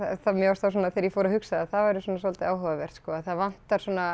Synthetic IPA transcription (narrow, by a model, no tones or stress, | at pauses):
θamjœast̪ʰasɔːnaθɛːɾjɛfɔːɾahʏksaðaθavaɾʏsɔːnasɔlt̪ɪaːwhɔvavɛr̥t̪skɔːaðθaðvan̥t̪aɾ̥sɔːna